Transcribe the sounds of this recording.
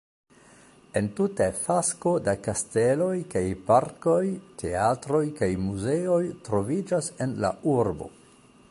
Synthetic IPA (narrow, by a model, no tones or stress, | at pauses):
e̞ntutefasko̞dakaste̞lo̞jkajpaɾko̞jtʰe̞atɾo̞jkajmuze̞o̞jtɾo̞vid͡ʒase̞nla̰uɾbo̞̰